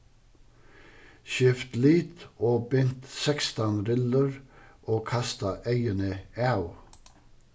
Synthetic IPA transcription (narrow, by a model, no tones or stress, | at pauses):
ʃɪft̪liːt̪oːbʏnt̪sɛkst̪ɑnɾʏləɹʔoːkʰɑst̪ɑʔœɪənəæʉ